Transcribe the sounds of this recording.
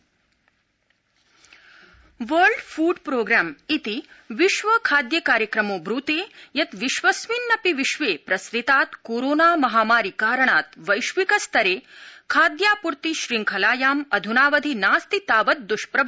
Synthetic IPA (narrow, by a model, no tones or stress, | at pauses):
ʋəɾɖfuːɖpɾoːɡɾaːmit̪iʋiʃʋɐkʰaːd̪jɐkaːɾjɐkɾɐmoːbɾut̪eːjɐt̪ʋiʃʋɐsʋinːɐpiʋiʃʋeːpɾɐsɾit̪aːt̪koːɾoːnaːmɐɦaːmaːɾikaːɾɐɳaːt̪ʋɐjʃʋikɐst̪ʰɐɾeːkʰaːd̪jaːpuɾt̪iʃɾiŋkʰɐlaːjaːmɐd̪ʱunaːʋɐd̪ʱinaːst̪it̪aːʋɐt̪̚d̪uʃpɾɐb